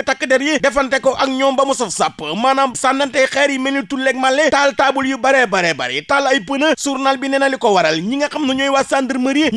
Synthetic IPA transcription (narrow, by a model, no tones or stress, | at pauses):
takːədɛɾjidɛfɐntɛkɔʔɐk̚ɲɔːmbɐmusɐfsapːəmaːnamsandɐntɛxɛːɾjimɛnitulːɛk̚malːɛtaːltaːbuljibɐɾɛbɐɾɛːbɐ̰ɾɛ̰talɐjpənəsuɾnalbinɛnɐlikɔwɐɾɐlɲiŋɡɐkɐmnuɲɔːjwasaːndəɾməɾji